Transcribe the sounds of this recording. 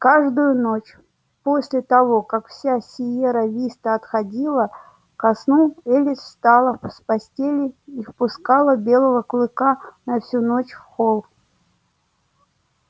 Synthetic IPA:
kaʐd̪ʊjʊnot͡ɕ | po̞sʲlʲɪt̪ɐvo̞kakfsʲasʲɪjeɾəvʲist̪əɐt̪xɐdʲilˠə | kɐsnulˠelʲɪsfst̪alˠəfspɐsʲtʲelʲɪifpʊskalˠəbʲe̞lˠəvəklˠɨkanɐfsʲunot͡ɕfxolˠ

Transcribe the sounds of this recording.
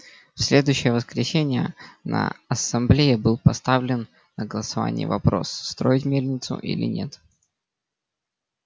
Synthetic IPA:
fsʲlʲe̞d̪ʊjʏɕːɪjəvəskɾʲɪsʲenʲɪjə̰nə̰ɐsɐmblʲejɪbɨlˠpɐst̪avlʲɪnː | əɡəlˠəsɐva̰nʲɪ̰jɪ̰vɐ̰pɾo̞̰sːt̪ɾo̞ɪtʲmʲelʲnʲɪt̪sʊ̰ʔḭlʲɪ̰nʲe̞t̪

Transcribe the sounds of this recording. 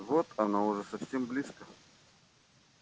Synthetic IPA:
vot̪ɐnaʊʐɛsɐfsʲemblʲiskə

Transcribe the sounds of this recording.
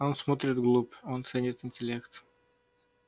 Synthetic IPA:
onsmot̪ɾʲɪd̪ɡlˠupont̪sɛnʲɪt̪ɪnʲtʲɪlʲekt̪

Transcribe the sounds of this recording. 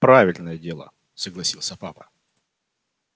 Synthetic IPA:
pɾavʲɪlʲnəjədʲe̞lˠə̰ | səɡlˠɐsʲilˠsʲəpapə̥

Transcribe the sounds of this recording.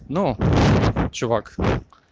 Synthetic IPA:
nu | t͡ɕʊvak

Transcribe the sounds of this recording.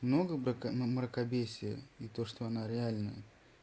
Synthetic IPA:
mno̞ɡəmɾəkɐbʲesʲɪjə̰ɪt̪o̞ʂt̪o̞ɐnaɾʲɪalʲnəjə

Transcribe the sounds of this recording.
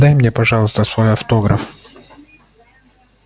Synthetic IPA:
d̪ajmnʲepɐʐɑlˠəst̪əsvojɐft̪oɡɾə̰f

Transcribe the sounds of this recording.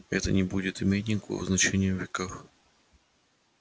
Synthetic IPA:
ɛt̪ənʲɪbudʲɪt̪ɪmʲetʲnʲɪŋkəv̰ə̰znɐt͡ɕenʲɪjəvʲːɪkax

